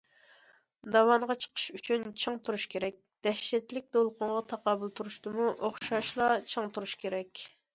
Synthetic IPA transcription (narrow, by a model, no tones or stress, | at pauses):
d̪ɑwɑnʁɑt͡ʃʰə̥qʰə̥ʃyt͡ʃʰynt͡ʃʰəŋt̪ʰuɾuʃkʲʰeɾɛk̚ʲd̪̥ɛʃːɛt̪lɪk̚ʲd̪olˠqʰʊɴʁɑt̪ʰɑqɑːbulˠt̪ʰuɾuʃt̪ɨmuʔoχʃɑʃlˠɑt͡ʃʰəŋt̪ʰuɾuʃkʲʰeɾɛkʲ